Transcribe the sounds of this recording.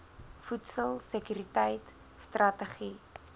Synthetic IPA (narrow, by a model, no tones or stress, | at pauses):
futsəlˠsəkyɾitəjt | strʔɐtəχi